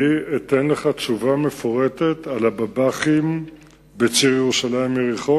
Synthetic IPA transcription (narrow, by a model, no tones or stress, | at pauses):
ietenle̞χat͡ʃuvame̞foʁe̞te̞talababaχim | bet͡siʁjeʁuʃalaimjeʁiχo